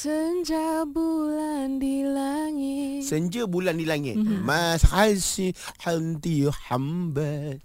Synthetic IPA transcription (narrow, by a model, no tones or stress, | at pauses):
səɲd͡ʒabulandilaŋɪsəɲd͡ʒəbulandilaŋɪt̪mashajsihant̪ijoħambat̪̚